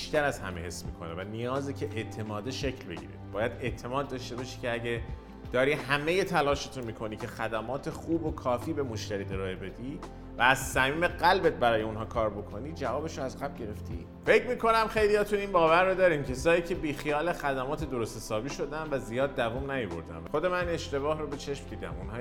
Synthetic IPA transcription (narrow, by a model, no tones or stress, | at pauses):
biʃt̪æɾæz̥hæ̰mehe̞smiːkʰonḛvænijɒːzecʰeʔeʔt̪ʰe̞mɒːd̪eʃecʰlbe̞̰ɟḭːɾḭd̪bɒːjæd̪e̞t̪ʰe̞mɒːd̪ːɒʃt̪e̞bɒʃi̥ːcʰeæɟe | d̪̥ɒːɾiːhæme̞je̞t̪ʰælɒːʃet̪ʰumiːkʰo̞niːcʰexæd̪æmɒːt̪ʰe̞xuːbokʰɒːfiːbe̞moʃt̪æɾiːd̪eɾɒːebe̞d̪i | væːz̥sæmiːme̞ɢælbet̪̚bæɾɒːje̞unɦɒːkʰɒːɾbo̞kʰo̞niːd͡ʒævɒːbe̞ʃoæzɢæb̚ɟe̞ɾe̞ft̪ʰḭ | fe̞cʰmiːko̞næmxe̞jlijɒːt̪ʰuiːnbɒːvæɾːod̪ɒːɾiːmcʰesɒːjiːcʰe̞biːxijɒːlexæd̪æmɒːt̪ʰed̪oɾost̪esɒːbiːʃo̞d̪ænvæzijɒːd̪ːævumnæjobo̰ɾd̪æ̰mxod̪e̞mænineʃt̪e̞bɒːhrobe̞t͡ʃʰe̞ʃmd̪iːd̪æ̰munɦɒː